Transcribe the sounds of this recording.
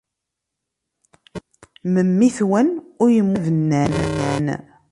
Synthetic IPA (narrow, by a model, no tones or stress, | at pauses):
məmːiθwænʊɾjəmːuðənːænnːæn